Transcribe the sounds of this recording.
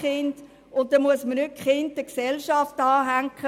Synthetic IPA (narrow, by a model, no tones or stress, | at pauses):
χɪnd | ʊnt̚ːɛmuəsmənʏkχɪndəksɛlʃɑftɑːɦæŋkχə